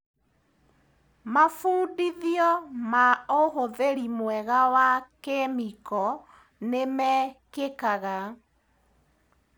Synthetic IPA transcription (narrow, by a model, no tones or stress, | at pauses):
mafuːdiðiɔmaoɦoðeɾimwɛɣawakemikɔ | nemɛkekaɣa